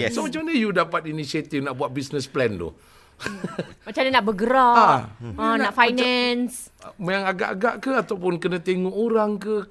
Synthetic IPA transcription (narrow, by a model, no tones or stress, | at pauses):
somat͡ʃamnəjudapat̪̚inisiat̪ifnaʔbuat̪̚bisnəsplɛnt̪ʊ̰h | mat͡ʃamɲanaʔbəɡəɾaaə̃naʔfajnɛns | majaŋaɡa̰ʔaɡaʔkəat̪awpʊnkənãt̪eŋɔʔoɾaŋkə